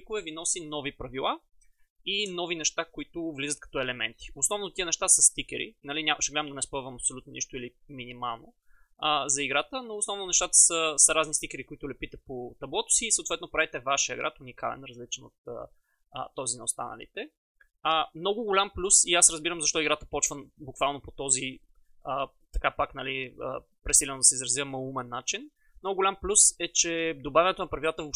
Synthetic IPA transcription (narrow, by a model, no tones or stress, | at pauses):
ikʊvɛvinɔsinɔvipɾɐvilˠa | inɔvinɛʃt̪akoit̪ʊvlizət̪̚kɐ̥t̪ɔɛlɛmɛ̰nt̪i̥ʊsnɔvnot̪iənɛʃt̪asəst̪ikʲɛ̰ɾḭnɐlinʲaməʃɛɡlɛd̪əmd̪ɐnɛspɤvɐmɐpsolut̪noniʃt̪ʊili | minima̰lˠno̰ | əzɐiɡɾat̪ənoːsnɔvnonɛʃt̪at̪ə̥səsɐɾaznist̪ikɛɾikʊit̪ʊlɛpit̪ɛpot̪ɐblˠɔt̪ʊ̥siːsəot̪vɛt̪nopɾavit̪ɛvaʃijə̰ɡɾa̰t̪unikalɛ̰nɾɐzlit͡ʃɛno̰t̪ə̰ | t̪ːɔzinɐost̪a̰nə̰lḭt̪ɛ | əmnɔɡʊɡolʲamplʲusiasɾɐzbiɾəmzɐʃt̪ɔiɡɾat̪ə̥pɔt͡ʃvənbʊkvalˠnopot̪ɔzi | ə | t̪ɐkapaknɐliə̰ | pɾɛsilʲɛnod̪ɐsɛizɾɐzjəmɐumɛnːat͡ʃin | mnɔɡʊɡolʲamplʲusɛt͡ʃɛd̪obavʲɐnɛt̪onɐpɾɐvilˠat̪əvop